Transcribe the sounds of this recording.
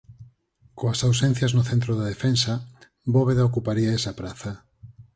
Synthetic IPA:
koɐsawsen̟θjɐznʊθent̪ɾoðaðefensɐ | boβeðaokupaɾiaesɐpɾaθɐ

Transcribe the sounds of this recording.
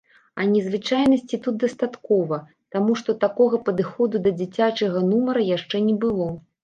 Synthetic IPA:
ɐnʲɛzvɨt͡ʂajnɐsʲt͡sʲit̪ut̪̚d̪ɐst̪at̪kɔvɐ | t̪amuʂt̪ɔt̪akɔɣɐpɐd̪ɨxɔd̪ud̪ɐd͡zʲit͡sʲat͡ʂɐɣɐnumɐɾɐjaʂt͡ʂɛnʲɛbɨlˠɔ

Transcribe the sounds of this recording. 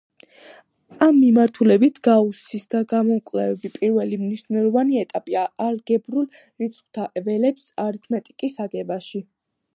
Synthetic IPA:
amːimaɾt̪ʰulɛbit̪ʰɡausisd̪aɡamɔŋkʼlɛvɛbipʼiɾvɛlimniʃnɛlɔvaniɛt̪ʼapʼiaːɾɡ̥ɛbɾul | ɾit̪sʰʼχwt̪ʰaʔɛvɛlɛpsaɾt̪ʰmɛt̪ʼikʼisaɡɛbaʃi

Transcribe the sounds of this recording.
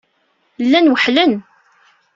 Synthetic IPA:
lːænwəħlən

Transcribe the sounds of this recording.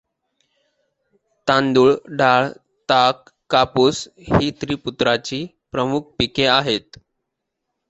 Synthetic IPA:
t̪ãnd̪uːɭɖaɭ | t̪akː | apus | hiːt̪ɾiːput̪ɾat͡ɕiː | pɾəmuk̚ʰpikeaɦet̪

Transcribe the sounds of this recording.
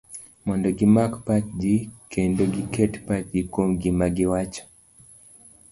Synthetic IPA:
mɔndɔɡimakpat̚d͡ʒikʰendoɡikʰɛtpat̚d͡ʒikomɡimaɡiwat͡ʃḁ

